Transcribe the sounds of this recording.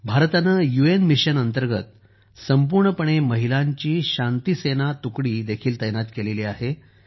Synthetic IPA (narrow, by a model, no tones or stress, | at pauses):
bʱaɾt̪anəjuenmiɕənənt̪əɾɡət̪ | səmpuɾɳəpəɳ̃eməɦilaɲt͡ɕiːɕãnt̪isenat̪ukɽiːd̪ekʰiːlt̪əjnat̪keleliːaɦe